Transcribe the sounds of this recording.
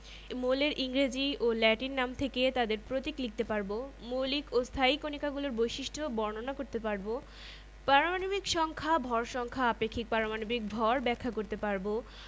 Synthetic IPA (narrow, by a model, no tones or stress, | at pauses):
moleɾʔiŋɾed͡ʑiolɛʈinːamt̪ʰeket̪ad̪eɾpɾot̪iklik̚t̪epaɾbomolikost̪ʰaikʰonikaɡuloɾbojʃiʃʈʰobɔɾnonakoɾt̪epaɾbo | pɾaɾomanobikʃɔŋkʰabʱɔɾʃɔŋkʰaapekʰːik̚paɾomanobik̚bʱɔɾbɛkʰːakoɾt̪epaɾbo